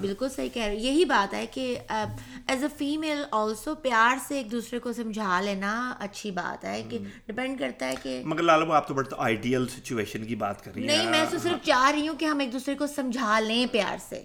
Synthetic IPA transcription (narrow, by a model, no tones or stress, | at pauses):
bɪlkʊlsɐɦikɛɾjɐɦibaːt̪ɦɛke | ɛːzəfiːmeːlɔːlsoːpjaːɾseeːk̚d̪uːsɾekosɐ̃md͡ʒʱaːlẽːnaɐ̰tːʃʰiba̰ːt̪ɦɛːkeɖɪpɛ̃ɳɖ̚kɐɾt̪aɦɛkemɐɡəɾlaːlaboaːp̚t̪obɐɽet̪o̰ʔaːɪɖiːəlsɪt͡ʃueːʃənkiba̰ːt̪kɐɾːinɐɦĩmɛ̃ːskosɪɾəft͡ʃaːɦɾɐɦiɦũkeɦɐ̃meːk̚d̪uːsɾekosɐ̃md͡ʒʱaːlẽːpja̰ːɾsḛː